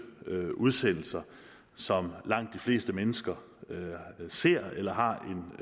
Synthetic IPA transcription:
ʔuðˠsen̰l̩sɐ | sɒ̽mlɑ̈ŋ̰d̥ːifle̝̰ːsd̥əmenəsɡ̥ɐ | se̝ɐ̰elɐɦɑ̈ʔe̝n

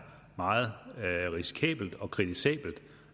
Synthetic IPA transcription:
mɑ̈ːð̩ˠʁisi̥kʰɛ̰ːb̥l̩d̥ɒ̽kʰʁit͡sisɛ̰ːb̥l̩d̥

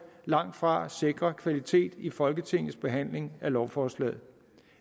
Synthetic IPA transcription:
lɑ̈ŋ̰d̥fʁɑ̈se̝ɡ̥ʁɐkʰʋælit͡sʰe̝̰ːd̥ifɒ̽lɡ̥ət͡sʰe̝ŋ̰ð̩ˠsb̥e̝ɦæn̰le̝ŋælɒʊfɒːslɛ̰ːð̩ˠ

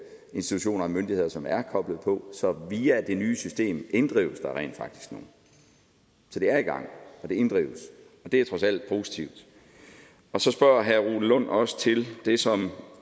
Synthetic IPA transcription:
e̝nsd̥i̥t͡sʰuɕo̝̰ːnɐɒmønd̥ihe̝ð̞̰ˠɐsɒ̽mæɐkʰɒ̽b̥ləð̞̩ˠpʰɒ̽sɒ̽ʋiːæd̥e̝nyːsysd̥e̝̰ːmʔe̝nd̥ʁḭʊəsd̥ɑ̈ʁɛ̰ːnd̥fɑ̈ɡ̥d̥i̥sɡ̥no̝ːn̩ | sɒ̽d̥e̝æɐiɡ̥ɑ̈ŋ̰ɒ̽d̥e̝e̝nd̥ʁḭːʊəs | ɒ̽d̥e̝æɐt͡sʰʁɒ̽sæl̰d̥̚pʰo̝ːsi̥t͡sʰiʊd̥ | ɒ̽sɒ̽sb̥ɶɐ̰ɦæʁu̥ːlɔ̽n̰ɒ̽sə̥t͡sʰe̝ld̥e̝sɒ̽m

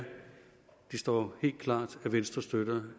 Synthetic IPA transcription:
d̥isd̥ɒ̰ːhe̝̰ːld̥̚kʰlɑ̰̈ːd̥æʋensd̥ʁɐsd̥øɾ̥ɐ

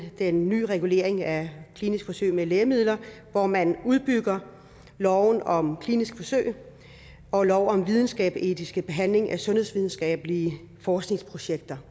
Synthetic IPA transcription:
d̥enːy̰ːʁɛɡ̥ule̝̰ːɐ̰eŋækʰliːnisɡ̥fɒ̽sø̰ɪ̰meleːɐmið̞̰ˠlɐ | ʋɒmænuðˠb̥yɡ̥ɐ | lɒʊnɒ̽mkʰliːnisɡ̥fɒ̽sø̰ːɪ | ɒ̽lɒʊɒ̽mʋið̞ˠn̩sɡ̥ɛ̰ːb̥e̝d̥ʰisɡ̥əb̥e̝ɦæn̰le̝ŋʔæsɔ̽nhe̝ðˠsʋið̞ˠn̩sɡ̥ɛ̰ːb̥əliə | fɒːsɡ̥ne̝ŋspʰʁo̝ɕeɡ̥̚d̥ɐ

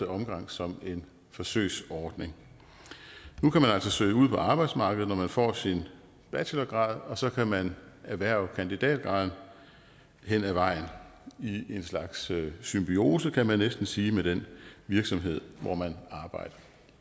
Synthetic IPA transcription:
əɒ̽mɡ̥ɑ̈ŋ̰sɒ̽me̝n | fɒ̽sø̰ːɪsɒːd̥ne̝ŋ | nukʰæmænæl̰sɒsø̰ɪuð̞̰ˠpʰɒ̽ɑ̈ːb̥ɑ̈ɪd̥smɑ̈ːɡ̥əð̩ˠnɒmænfɒ̰ːsin | b̥ælɐɡ̥ʁɑ̈ːðˠɒ̽sɒ̽kʰæmænæʋæɐ̰ʊ̰kʰænd̥id̥ɛ̰ːd̥ɡ̥ʁɑ̈ð̰ˠn̩ | ɦen̰æʋɑ̈ɪ̰nie̝nslɑ̈ɡ̥sːymb̥io̝ːsəkʰæmænːesd̥n̩siːmed̥enʋiɐɡ̥sɒ̽mɦe̝ð̞̰ˠʋɒ̰mænɑ̈ːb̥ɑ̈ɪ̰d̥ɐ

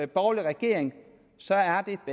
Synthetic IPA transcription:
eb̥ɒʊliʁɛɡ̥e̝̰ɐ̰eŋ | sɒ̽æɐd̥e̝b̥

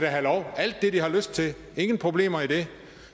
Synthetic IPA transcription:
ɾ̥æɦælɒʊæl̰d̥ːe̝d̥ihɑ̈løsd̥̚t͡sʰe̝ | e̝ŋən̩pʰʁo̝b̥le̝̰ːmɐid̥e̝

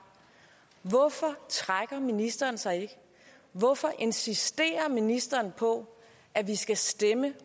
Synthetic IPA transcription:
ʋɔfɒ̽t͡sʰʁaɡ̥ɐminisd̥ɐːn̩sɑ̈ɪɡ̥ | ʋɒ̽fɒ̽ʔe̝nsisd̥e̝̰ːɐminisd̥ɐːnpʰɒ̽ | ʔæʋisɡ̥æsd̥emə

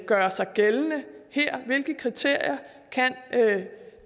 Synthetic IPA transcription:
ɡ̥ɶːɐsɑ̈ɪɡ̥elnəheɐ̰ʋe̝lɡ̥əkʰʁit͡sʰe̝ɐ̰jɐ | kʰænʔ

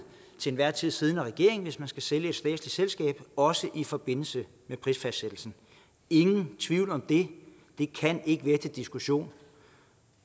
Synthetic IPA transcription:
t͡sʰe̝nʋæɐ̰t͡sʰið̰ˠsið̞ˠnæʁɛɡ̥e̝̰ɐ̰e̝ŋn̩ʋe̝smænsɡ̥æseljəe̝d̥sd̥ɛ̰̥ːsli̥selsɡ̥ɛ̰ːb̥ɒ̽səʔifɒ̽b̥e̝n̰l̩sə | mepʰʁisfæsd̥sed̥l̩sn̩ | e̝ŋn̩t͡sʰʋiʊ̰lɒ̽md̥e̝ | d̥e̝kʰæne̝ɡ̥əʋeɡ̥̚d̥əd̥isɡ̥uɕo̝̰ːn

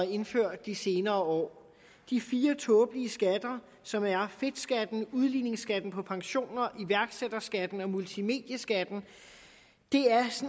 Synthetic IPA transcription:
e̝nføɐ̰d̥ːise̝ːnɐːɒ̰ː | d̥ifiːɐt͡sʰɔːb̥liəsɡ̥æd̥ɐ | sɒ̽mæɐfe̝d̥sɡ̥æd̥n̩uð̞ˠline̝ŋsɡ̥æd̥n̩pʰɒ̽pʰɑ̈ŋɕo̝̰ːnɐʔiʋæɐɡ̥sed̥ɐsɡ̥æd̥n̩ɒ̽mult͡sʰime̝̰ːd̥jəsɡ̥æd̥n̩ | d̥e̝æɐs

